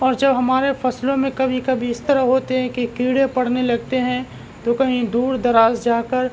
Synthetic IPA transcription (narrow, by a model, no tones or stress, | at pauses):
ɔːɾd͡ʒɐbɦɐmaːɾefɐslõmẽkɐbʱikɐbʱiɪst̪ɐɾaɦoːt̪eɦɛ̃kikiːɽepɐɽ̤nelɐɡt̪eɦɛ̃ | t̪okɐɦĩd̪uːɾd̪ɐɾaːzd͡ʒaːkəɾ